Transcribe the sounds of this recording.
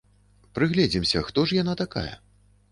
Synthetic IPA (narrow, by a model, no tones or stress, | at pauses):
pɾɨɣlʲɛd͡zʲimsʲɐxt̪ɔʂjanat̪aka̰jɐ̰